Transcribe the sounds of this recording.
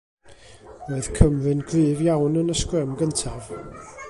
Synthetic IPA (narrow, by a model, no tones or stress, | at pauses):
roːɨð̥kʰəmvɨnɡʰlɨːvjawnənəskrɛmɡəntʰav̥